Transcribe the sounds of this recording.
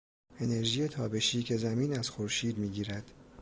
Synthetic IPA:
e̞ne̞ɾʒiːjet̪ʰɒːbe̞ʃiːcʰe̞zæmiːnæz̥xoɾʃiːd̪miːɟiːɾæd̪̥

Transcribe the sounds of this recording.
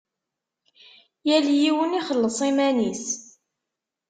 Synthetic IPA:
jæljiwəniχəlːəsˤimænis

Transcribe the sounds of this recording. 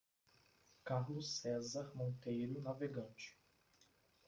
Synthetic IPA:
kaɾlʊsɛzaɾmõnt̪ejɾʊnaveɡɐ̃nt͡ʃɪ̥

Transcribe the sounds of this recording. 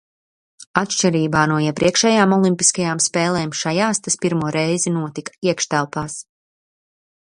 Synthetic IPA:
at̪ʃt͡ʃɛɾiːbaːnuɔiɛpɾiɛkʃɛːjaːmɔlˠimpiskajaːmspɛːlˠɛːmʃajaːst̪aspiɾmuɔɾɛjzinuɔt̪ikiɛkʃt̪ælˠpaːs

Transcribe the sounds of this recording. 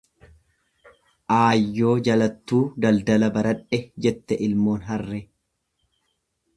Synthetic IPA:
ʔaːjːo̞ːd͡ʒɐlɐt̪ːuːd̪ɐld̪ɐlɐbɐɾɐᶑɛd͡ʒɛt̪ːɛʔɪlmo̞ːnɦɐrːɛ

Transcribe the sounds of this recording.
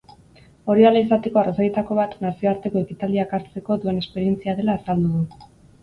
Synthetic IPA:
o̞ɾialaisat̪e̞ko̞arosaje̞t̪ako̞βat̪nasio̞aɾt̪e̞ko̞e̞kit̪ald̪iakaɾt͡se̞ko̞ðue̞nespe̞ɾie̞nt͡siaðe̞laːsald̪uðu

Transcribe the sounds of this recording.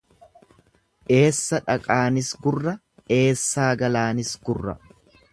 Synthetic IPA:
ʔe̞ːsːɐᶑɐkʼaːnɪsɡʊrːɐ | ʔe̞ːsːaːɡɐlaːnɪsɡʊrːɐ̰

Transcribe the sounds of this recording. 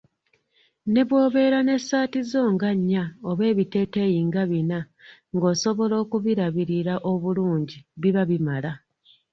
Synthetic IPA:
ne̞βwo̞ːβe̞ɾane̞saːtizo̞ːŋɡaɲːaoβe̞ːβite̞ːteːjiːŋɡaβina | ŋɡo̞ːso̞βo̞lo̞ːkuβiɾaβiɾiɾaʔo̞βuluːɲɟiβiβaβimala

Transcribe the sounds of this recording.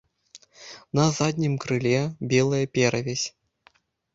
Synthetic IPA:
nɐzad̪ʲnʲimkɾɨlʲɛbʲɛlˠɐjɐpʲɛɾɐvʲɛsʲ

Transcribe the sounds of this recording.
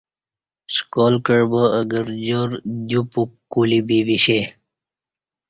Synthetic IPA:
skoːlkəɽbəəɡəɾd͡ʑoːɾd̪upukːulibiʋiɕe

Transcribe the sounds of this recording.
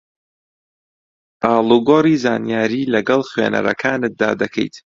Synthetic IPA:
ʔaːlˠuɡoriːzaːnijaːɾiːlɐɡɐlˠxwḛːnɐ̰ɾɐ̰kʰaːnɨt̪̚d̪a̰ːd̪ɐkʰɛ̰jt̪

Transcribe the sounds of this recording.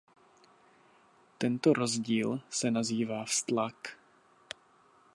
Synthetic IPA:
t̪ɛnt̪oɾozɟiːlsɛnaziːvaːfst̪lak

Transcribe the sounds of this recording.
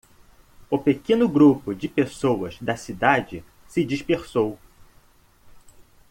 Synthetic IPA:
ʊpekẽnʊɡɾupʊd͡ʒɪpesowɐzd̪ɐsid̪ad͡ʒɪ | sɪd͡ʒiʃpeɾsow

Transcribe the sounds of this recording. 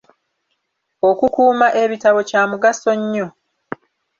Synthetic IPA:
o̞kukuːmaʔe̞βitaβo̞caːmuɡaso̞ɲːo

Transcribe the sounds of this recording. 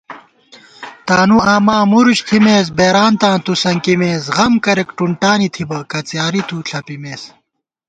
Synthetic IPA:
t̪aːnuaːmãːmuɾuɕt̪ʰimeːs̬beːɾaːnt̪ãːt̪ʰusɐŋkimeːsɣɐmkɐɾekʈuɳʈaːnit̪ʰibɐkɐt͡sjaːɾit̪ʰuːɬʰɐpimeːs

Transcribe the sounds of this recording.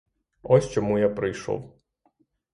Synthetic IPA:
ɔsʲt͡ʃɔmujapɾɪjʃɔ̰w

